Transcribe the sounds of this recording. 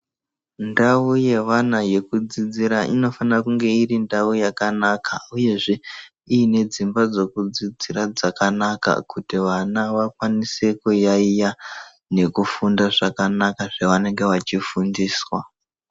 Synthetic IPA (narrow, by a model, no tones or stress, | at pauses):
ndauje̞ʋanaje̞kud͡zid͡ziɾaʔino̞fanakuŋɡe̞irindaujakanakauje̞ʐe̞ | iːne̞d͡zimbad͡zo̞kud͡zid͡ziɾad͡zakanaka̰kutiʋanaʋakwanise̞kujaija | ne̞kufundaʐakanakaʐeʋane̞ŋɡe̞ʋat͡ʃifundiːswa